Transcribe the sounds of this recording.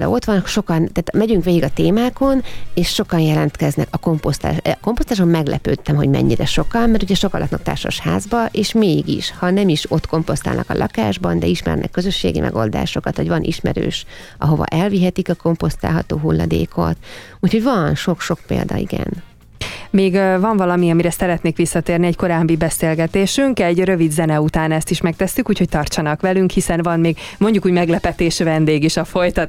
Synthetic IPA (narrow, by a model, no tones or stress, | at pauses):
d̪ɒ̰o̞t̪ʋɒnkʃo̞kɒnt̪aːt̪mɛɟyŋkʋeːɡiɡɒt̪eːmaːko̞neːʃːo̞kɒnjɛlɛnt̪kɛznɛkɒko̞mpost̪a̰ːʃko̞mpost̪aːʃommɛɡlɛpøːt̪ːɛmɦo̞ɟmɛ̰ɲːiɾɛʃo̞kɒmːɛrt̪uɟɛʃo̞kɒlʔɒk̪nɒ̰k̚t̪a̰ːrʃoʃhaːzbɒʔeːʃmeːɡḭʃhɒnɛmiʃo̞t̪ko̞mpo̞st̪aːlnɒ̰kɒlʔɒkaːʒbɒnd̪ɛiʃmɛ̰rnʔɛ̰kːø̞zø̞ʃːḛːɡḭmɛ̰ɡo̞̰ld̪a̰ːʃo̞kɒt̪ho̰ɟʋɒnʔiʃmɛɾø̰ːʃ | ʔɒɦo̞vɒ̰ʔɛlviɦɛt̪ikɒko̞mpo̞st̪a̰ːlɦɒt̪oːɦulːɒ̰d̪eːkot̪ | uːcho̞ɟvɒnʃo̞kʃo̞kpeːld̪ɒiɡɛ̰n | meːɡvɒɱvɒlɒmiɒmiɾɛsɛɾɛt̪neːkʋisːɒt̪eːrniɛɟko̞ɾaːbːibɛseːlɡɛt̪eːʃyŋkɛɟrø̞vid̪zɛnɛut̪aːnɛst̪iʃmɛk̚t̪ɛsːykuːcho̞c̚t̪ɒrt͡ʃɒnɒkʋɛlyŋkhisɛnvɒnmeːɡmo̞ɲɟukuːɟmɛɡlɛpɛt̪eːʃvɛnd̪eːɡiʃɒfo̞jt̪ɒt̪